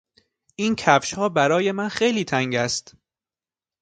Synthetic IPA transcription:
ʔiːncʰæfʃhɒːbæɾɒːje̞mænxejliːt̪ʰæŋɟæst̪

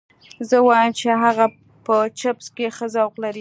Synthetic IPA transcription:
zəwɑjəmt͡ʃeɦaɣa | pət͡ʃapskexəzawqlaɾi

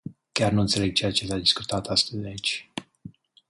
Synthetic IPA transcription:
kʲarnuɨnt̪se̞le̞ɡ̚t͡ʃe̞jat͡ʃe̞sad̪isku̥t̪at̪ast̪əzd̪eait͡ʃʲ

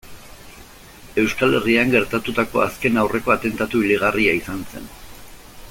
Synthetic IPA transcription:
e̞wskale̞riaŋɡe̞ɾt̪at̪ut̪ako̞̰a̰ske̞nawre̞ko̞at̪e̞nt̪at̪uiliɣ̞ariaisanse̞̰n

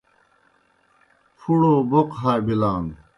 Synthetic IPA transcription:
pʰuɽoːboqɦaːjbilaːn

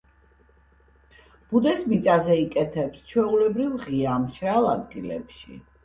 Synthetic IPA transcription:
b̥ud̪ɛsmit̪sʼazɛikʼɛt̪ʰɛpst͡ʃʰwɛulɛbɾivʁiaːmʃɾalˠa̰d̪ɡilɛ̰pʃḭ

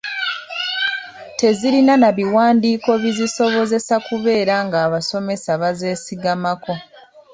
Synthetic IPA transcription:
te̞ziɾinanaβiwaːndiːko̞βiziso̞βo̞ze̞sakuβe̞ːɾaŋɡaːβaso̞me̞saβaze̞ːsiɡamako̞

